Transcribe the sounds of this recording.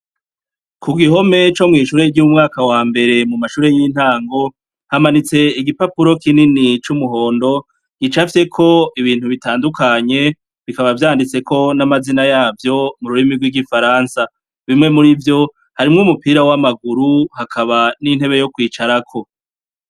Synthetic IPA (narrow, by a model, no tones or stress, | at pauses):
kʰuɡiɦo̞me̞t͡ʃo̞mŋiːʃuːɾeɟumŋaːkawaːmbe̞ɾe̞mumaʃuːɾe̞jin̥haːŋɡo̞ | hamanit͡se̞iɡipapuɾo̞kininit͡ʃumuɦo̞ːndo̞ | ɡ̥it͡ʃafse̞kʰo̞iβiːn̥huβitaːndukʰaɲe̞ | βikaβavjaːndit͡se̞kʰo̞namazinajaːvjo̞muɾuɾimiɾɡwiɡifaɾansa | βimŋe̞muɾivjo̞ | haɾimŋumupiːɾawamaɡuɾuhakʰaβanin̥he̞βe̞jo̞kwiːt͡ʃaɾakʰo̞